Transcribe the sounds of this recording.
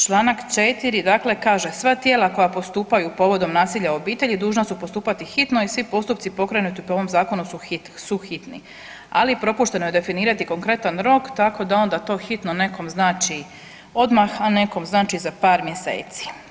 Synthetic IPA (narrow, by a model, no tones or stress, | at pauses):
t͡ʃlˠaːnakt͡ʃet̪iɾid̪akle̞kaːʒe̞sʋat̪jeːlˠako̞japo̞st̪uːpajupo̞ʋo̞d̪o̞mnaːsiːʎao̞biːt̪e̞ʎid̪uːʒnasupo̞st̪uːpat̪ixit̪noisʋipo̞st̪up̚t̪sipo̞kɾanut̪ipoo̞ʋomzaːko̞nusuxi | suxit̪nḭ | a̰lipɾo̞puʃt̪e̞nojed̪e̞finiːɾat̪iko̞ŋkɾe̞t̪anɾo̞kt̪ako̞d̪ao̞nd̪at̪o̞ːxit̪none̞ko̞mznaːt͡ʃi | o̞d̪maxane̞ko̞mznaːt͡ʃizapaːɾmje̞sḛːt̪si̥